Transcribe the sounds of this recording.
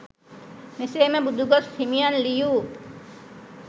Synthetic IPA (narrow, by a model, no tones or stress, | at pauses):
neseːmɛbud̪ʱuɡɔstʰimijanliju